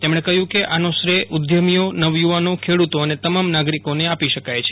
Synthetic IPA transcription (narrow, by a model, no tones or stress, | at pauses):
t̪emɳ̃ekəɦjũkeʔanõsɾeʔʊd̪ʱjəmijonəʋjuʋanõkʰeɽut̪oənet̪əmamnaɡɾikoneapiʃəkajt͡ʃʰe̥